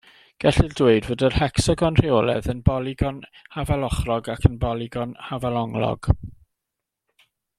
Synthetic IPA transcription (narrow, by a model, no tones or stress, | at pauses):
ɡ̥ɛɬɪldweɨdvoːdərhɛksɔɡɔnr̥ɪoːlˠɛ̰ðənbɔlˠɪɡɔnhavalˠɔχrɔɡakʰənbɔlˠɪɡɔnhavalɔŋlɔ̰ɡ̥